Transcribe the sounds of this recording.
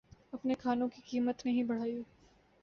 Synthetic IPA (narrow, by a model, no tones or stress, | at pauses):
ɐpnekʰaːnõkikiːmət̪nɐɦĩbɐɽ̤aːjuː